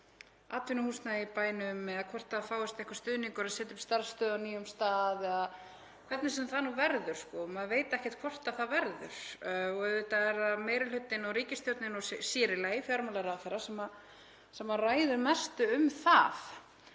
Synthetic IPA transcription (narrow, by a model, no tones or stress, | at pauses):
a̰ːt̪vɪnʏhuːst̪naipaːjnʏmːɛðakʰvɔr̥t̪afaːwʏst̪ɛhkvḁst̪ʏðniŋkʏɾaðsɛːt̪ʏmst̪aɾst̪œːðawniːʏmst̪aːðað | kʰvɛɾt̪nɪsɛmθanuːvɛɾðʏɾ̥skɔmaðveːjt̪aɛhcɛ̥t̪kʰvɔr̥t̪aðθaðvɛɾðʏ̰ɾ̥ɔɣɛvɪt̪aɛɾaðmeːjɾɪlʏt̪ːɪnɔɣɾiːcɪst̪jɔwt̪nɪnɔssɪːɾɪlajɪfjaɾmalaɾawθɛjɾːasɛma | sɛmːaraːjðʏɾmɛst̪ʏʏmθaf